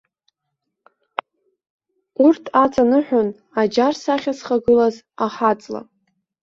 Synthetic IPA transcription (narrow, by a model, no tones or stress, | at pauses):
urtʰat͡sʼanɨħʷᶣʊn | ad͡ʒarsaχʲasχaɡɨlaz | aħat͡sʼla̰